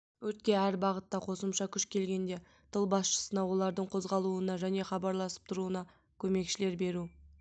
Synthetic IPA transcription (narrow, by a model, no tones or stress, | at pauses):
wɵt̪̚kʲe̞æɾbɑʁət̪ːɑqʰo̞səmʃɑkʲʰʏʃkʲʰe̞lɡʲe̞nd̪e̞ | t̪ʰəlˠbɑsʃə̥sənɑwo̞lˠɑɾd̪əɴqʰo̞zʁɑlˠuənɑʒæne̞χɑbɑɾlˠɑsə̥p̚t̪ʰʊɾuənɑ | kʲʰɵme̞kʃɪle̞ɾbe̞ɾu